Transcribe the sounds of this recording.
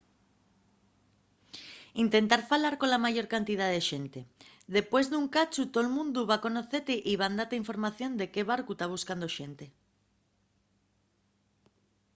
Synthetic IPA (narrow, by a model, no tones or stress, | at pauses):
int̪ent̪aɾfalaɾkolamaʝoɾkant̪ið̞aðeʃent̪e | ðepwezðuŋkat͡ʃut̪olmũnd̪uβakonoθet̪eʔiβand̪at̪aiɱfo̞ɾmaθjõnd̪ekeβaɾkut̪aβ̞uskand̪oʃent̪e